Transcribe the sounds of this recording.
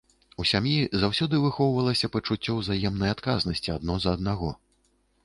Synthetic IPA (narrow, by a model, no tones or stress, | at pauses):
usʲamjizawsʲɔd̪ɨvɨxɔwvɐlˠɐsʲɐpɐt͡ʂut͡sʲːɔwzajɛmnɐjat̪kaznɐsʲt͡sʲiad̪̚nɔzɐːd̪̚naɣɔ